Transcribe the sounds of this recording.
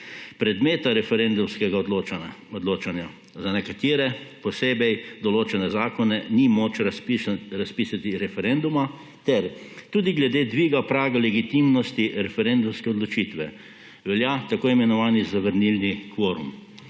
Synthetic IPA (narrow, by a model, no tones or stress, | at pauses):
pɾɛd̪meːt̪aɾɛfɛɾend̪umskɛɡad̪loɔd̪loːt͡ʃanja | zanɛkat̪iːɾɛpɔseːbɛjd̪ɔloːt͡ʃɛnɛzaːkɔnɛnimot͡ʃɾɾaspiːsat̪iɾɛfɛɾend̪uma | t̪ɛɾ | t̪uːd̪iɡlɛd̪eːd̪ʋiːɡapɾaːɡalɛɡit̪imnɔst̪iɾɛfɛɾend̪umskɛɔd̪lɔt͡ʃit̪ʋɛ | ʋɛljat̪akoːimɛnɔʋaːnizaʋəɾnilnikʋɔːɾum